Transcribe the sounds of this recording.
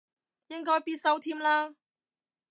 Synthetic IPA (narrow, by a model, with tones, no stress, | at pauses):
jɪ˥ŋkɔː˥jpiː˥t̚sɐ˧˥wt̪ʰiː˥mlaː˥